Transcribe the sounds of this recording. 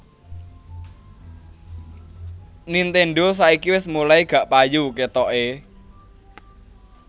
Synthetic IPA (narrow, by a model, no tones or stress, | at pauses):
nint̪eɳɖos̬aikiwɪsmulaiɡ̥a̤ʔpajuket̪ɔʔe